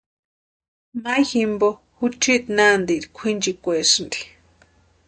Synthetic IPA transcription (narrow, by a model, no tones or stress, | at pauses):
majximbo | hut͡ʃit̪nand̪iɾikʷʰind͡ʒikʷesɨnd̪i̥